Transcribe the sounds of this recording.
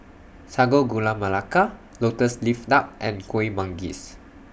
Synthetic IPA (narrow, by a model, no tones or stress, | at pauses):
saɡoɡulamalaka | lotəsliftap̚ʔɛ̃nkʰwemãŋɡḭs